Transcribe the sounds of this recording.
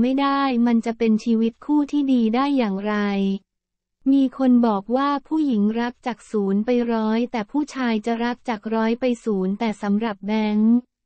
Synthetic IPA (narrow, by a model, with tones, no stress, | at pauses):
ma˥˩jdaː˥˩jma˧nt͡ɕa˨˩pe˧nt͡ɕʰiː˧wi˦˥t̪̚kʰuː˥˩t̪ʰiː˥˩diː˧daː˥˩jːaː˨˩ŋɾa˧j | miː˧kʰo˧nbɔː˨˩k̚waː˥˩pʰuː˥˩ji˩˦ŋɾa˦˥k̚t͡ɕa˨˩k̚suː˩˦npa˧jɾɔː˦˥jt̪ɛː˨˩pʰuː˥˩t͡ɕʰaː˧jt͡ɕa˨˩ɾa˦˥k̚t͡ɕa˨˩k̚ɾɔː˦˥jpa˧jsuː˩˦nt̪ɛː˨˩sa˩˦mɾa˨˩p̚dɛ˦˥ŋ